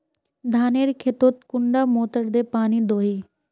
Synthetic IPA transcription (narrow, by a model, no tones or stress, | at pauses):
d̪ʱaːneːɾkʰet̪oːt̪̚kʊɳɖaːmoːt̪əɾd̪eːpaːniːd̪oːɦiː